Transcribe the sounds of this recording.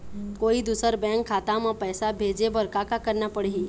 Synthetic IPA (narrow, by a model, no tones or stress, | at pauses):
koːid̪uːsəɾbɛ̃ːŋkʰːaːt̪ãmãpɛːsabʱeːd͡ʒebəɾkakakɐɾnapəɽei